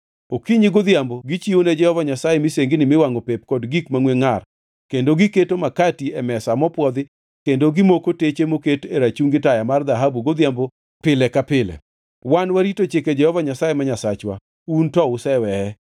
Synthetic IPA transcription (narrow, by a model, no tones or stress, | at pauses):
okiɲɪɡod̪jamboɡɪt͡ʃioned͡ʒɛhɔvaɲasajemɪseŋɡɪnɪmɪwaŋopep̚kɔdɡikmaŋweŋar | kendoɡɪketomakatiɛmɛsamɔpwɔd̪ɪ | kendoɡɪmokotet͡ʃemoketeɾat͡ʃuŋɡɪtajamard̪aɦabuɡod̪jambo | pɪlɛkapɪlɛ̰ | wanwaɾitot͡ʃeked͡ʒɛhɔvaɲasajɛmaɲasat͡ʃwa̰ | untɔʊsɛwɛhɛ